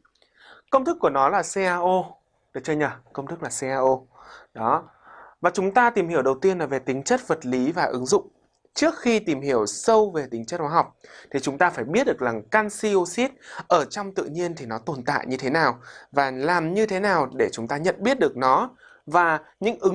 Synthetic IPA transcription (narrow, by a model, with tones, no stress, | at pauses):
kə˧wŋ͡mt̪ʰɨ˦˥kːu˧˩ənɔ˨˦laː˨˩se˧ʔaː˧ʔo˧ | ɗɨ˨˩t͡ɕəː˧ɲə˨˩kə˧wŋ͡mt̪ʰɨ˦˥k̚laː˨˩se˧ʔaː˧ʔo˧ɗɔ˨˦ | vaː˨˩t͡ɕʊ˨˦ŋ͡mt̪aː˧t̪i˨˩mhi˧˩əwɗə˨˩wt̪i˧ənlaː˨˩ve˨˩t̪ï˨˦ŋ̟t͡ɕə˦˥t̚və˨˩t̚li˨˦vaː˨˩ʔɨ˨˦ŋzʊ̰˧˨ŋ͡m | t͡ɕɨ˦˥ək̚xi˧t̪i˨˩mhi˧˩əwsə˧wve˨˩t̪ï˨˦ŋt͡ɕə˦˥t̚xwaː˨˦ɦa˨˩wk͡p̚t̪ʰi˨˩t͡ɕʊ˨˦ŋ͡mt̪aː˧faː˧˩jɓi˦˥ət̚ɗɨ˨˩ək̚laː˨˩ŋkaː˧nsi˧o˧si˦˥t̚ʔəː˧˩t͡ɕɔ˧wŋ͡mt̪ɨ̰˧˨ɲi˧ənt̪ʰi˨˩nɔ˨˦t̪o˨˩nt̪a̰ː˧˨jɲɨ˧t̪ʰe˨˦naː˨˩wvaː˨˩laː˨˩mɲɨ˧t̪ʰe˨˦naː˨˩wɗe˧˩t͡ɕʊ˨˦ŋ͡mt̪aː˧ɲə̰˧˨nɓi˦˥ət̚ɗɨ˨˩ək̚nɔ˨˦ | vaː˨˩ɲɨ̰˧˥ŋʔɨ˨˦